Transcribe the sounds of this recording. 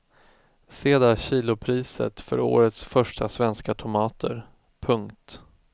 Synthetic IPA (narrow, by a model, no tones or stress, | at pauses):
seːd̪aɕiːlʊpʰɾiːsə̰t̪fœ̰ɾo̰ːɾət̪sfœʂʈʰasvɛnskat̪ʰʊmɑːt̪ʰə̰ɾ | pʰɵŋkt̪